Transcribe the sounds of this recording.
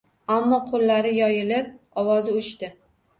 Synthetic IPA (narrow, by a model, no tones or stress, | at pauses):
amːɒqʰolːaɾɪjɒjɪlɪp̚ | ɒwɒzɪʊt͡ʃt̪ɪ